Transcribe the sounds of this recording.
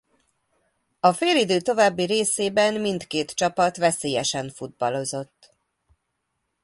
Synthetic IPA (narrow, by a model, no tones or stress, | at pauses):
ɒfeːlid̪øːt̪o̞vaːbːiɾeːseːbɛnmint̪keːt̪t͡ʃɒpɒt̪ʋɛseːjɛʃɛɱfud̪̚bɒlo̞zo̞t̪ː